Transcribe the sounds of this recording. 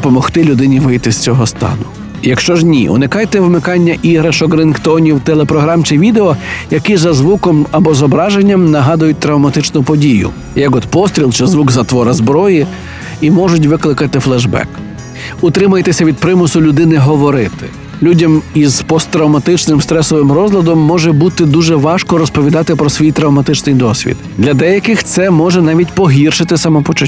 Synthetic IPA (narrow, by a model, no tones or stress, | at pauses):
pɔmɔxt̪ɪlʲʊd̪ɪnʲiʋɪjt̪ɪsʲt͡sʲɔɦɔst̪ɑ̰nʊ | jɐkʃt͡ʃɔʒnʲḭʔʊ̰nɪkɑjt̪ɛʋɪmɪkɑnʲːɐʔiɦɾɐʃɔɡɾɪnkt̪ɔnʲiwt̪elˠepɾɔɦɾɑmt͡ʃɪʋʲid̪eɔjɐkizɐzʋukɔmɐbɔzɔbɾɑʒenʲːɐmnɐɦɑd̪ʊjʊt̚ʲt̪ɾɐwmɐt̪ɪt͡ʃnʊpɔdʲijʊ̰ | jɐkɔt̪pɔst̪ɾʲilˠt͡ʃɛzʋuɡzɐt̪ʋɔɾɐzbɾɔji | imɔʒʊt̬ʲʋɪklˠɪkɐt̪ɪflˠɛʒbɛ̰k | ʊt̪ɾɪmɐjet̪ɪsʲɐʋʲid̪̚pɾɪmʊsʊlʲʊd̪ɪnɪɦɔʋɔɾɪt̪ɪ̥̰ | lʲudʲɐmiz̥pɔst̪ːɾɐwmɐt̪ɪt͡ʃnɪmst̪ɾɛsɔʋɪmɾɔzlʲˠɐd̪ɔmːɔʒɛbut̪ɪd̪uʒɛʋɑʃkɔɾɔspɔʋʲid̪ɑt̪ɪpɾɔsʋʲijt̪ɾɐwmɐt̪ɪt͡ʃnɪjd̪ɔsʲʋʲḭd̪d̪lʲɐd̪ɛjɐkɪxt̪sɛmɔʒɛnɑʋʲitʲpɔɦʲirʃɪt̪ɪsɐmɔpɔt͡ʃʊ